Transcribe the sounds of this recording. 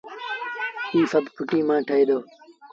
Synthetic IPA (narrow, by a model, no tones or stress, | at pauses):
ɦiːsəbʱpʰʊʈiːmãːʈʰəiːd̪oː